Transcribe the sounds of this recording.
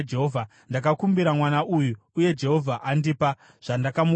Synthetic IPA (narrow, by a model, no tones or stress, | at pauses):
d͡ʒeɦovʱa | ndakakumbiɾamwanaʔuju | uje̞d͡ʒe̞ɦo̞vʱaʔandipa | ʐ̥andakam